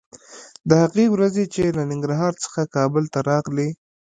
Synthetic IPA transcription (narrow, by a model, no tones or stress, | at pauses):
d̪əhaqiwɾazet͡ʃelanɪŋɡɾɦɑɾt͡sə̥xakɑbəlt̪aɾɑɣli